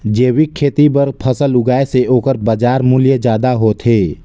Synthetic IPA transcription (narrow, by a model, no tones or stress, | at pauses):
d͡ʒeːwɪkʰːeːt̪ibəɾpʰəsəlʊɡaːeseʔoːkəɾbəd͡ʒaːɾmʊljəd͡ʒjaːd̪aɦoːt̪ʰɦeː